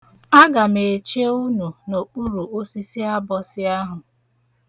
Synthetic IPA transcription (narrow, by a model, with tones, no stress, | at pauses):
a˦ɡa˨me˨t͡ʃe˦u˦nu˨no˨k͡pu˦ɾu˨o˦si˦sɪ˦a˦bɔ˨sɪ˦a˦ɦʊ˨